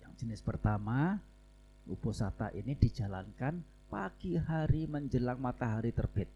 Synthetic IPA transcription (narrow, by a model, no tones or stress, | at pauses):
jaŋd͡ʒənɪspərt̪ama | upusat̪a̰ʔinidid͡ʒalankan | paɡ̥iɦaɾiməɲd͡ʒəlaŋmat̪aɦaɾit̪ərb̥ɪt̪̚